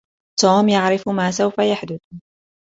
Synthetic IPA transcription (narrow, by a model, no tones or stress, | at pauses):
t̪uːmjaʕɾɪfmaːsawfajaħd̪ʊθ